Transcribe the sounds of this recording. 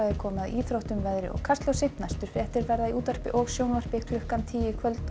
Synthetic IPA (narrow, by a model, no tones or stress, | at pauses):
aðɪkʰɔːmaðiːθɾowht̪ʏmvɛðɾɪ̰ɔ̰ɣkʰast̪lɔwsɪht̪nast̪ʏɾ̥fɛht̪ɪɾvɛɾðaðiʔuːt̪ar̥pɪʔɔɣsjownvar̥pɪkʰlʏhkant̪ʰiːjɪkʰvœlt̪n